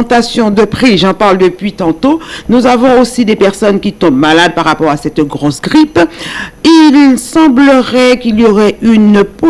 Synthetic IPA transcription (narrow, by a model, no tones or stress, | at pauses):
t̪asjɔ̃d̪əpχiʒɑ̃paʁld̪əpɥit̪ɑ̃t̪onuzavɔ̃osid̪epɛʁsɔnkʲit̪ɔ̃bmalad̪̚paʁapɔʁasɛt̪ɡʁosɡʁip | ilsɑ̃bləʁɛkilijoʁɛynpo